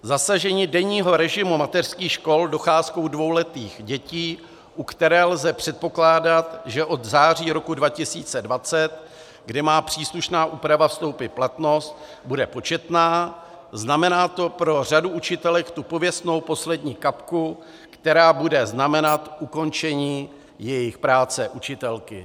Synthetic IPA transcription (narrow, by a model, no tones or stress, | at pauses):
zasaʒɛɲiːdɛɲiːɦo̞ɾɛʒɪmumat̪ɛr̥skiːxʃko̞ldo̞xaːsko̞wdvo̞wlɛt̪iːxɟɛciː | ʔukt̪ɛɾɛːlzɛpr̝̥ɛt̪̚po̞klaːdat̪ʒɛʔo̞d̪zaːr̝iːɾo̞kudvacɪsiːt͡sɛdvat͡sɛt̪ | ɡdɪmaːpr̝̥iːsluʃnaːʔuːpɾavafst̪o̞wpɪt̪̚plat̪no̞st̪ | budɛpo̞t͡ʃɛt̪naː | znamɛnaːt̪o̞pɾo̞r̝aduʔut͡ʃɪt̪ɛlɛkt̪upo̞vjɛst̪no̞wpo̞slɛdɲiːkapku | kt̪ɛɾaːbudɛznamɛnat̪ʔuko̞nt͡ʃɛɲiː | jɛjɪxpɾaːt͡sɛʔut͡ʃɪt̪ɛlkɪ